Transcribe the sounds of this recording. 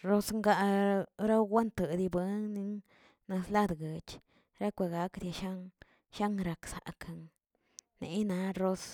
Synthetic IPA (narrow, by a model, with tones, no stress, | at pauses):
ɾo˦sŋɡa˦˧ɾa˦wɡa˦nt̪ə˨d̪i˧be˨˦nni˧ŋ | na˧sla˦d̪ɡə˨t͡ʃ | ɾa˦kʷa˨ɡa˨˦kd̪ja˧ʃa˦ŋ | ʃa˦ŋɾa˨ksa̰˨ka˨ŋ | nḛ˨˧˦na˧˦ɾo˦s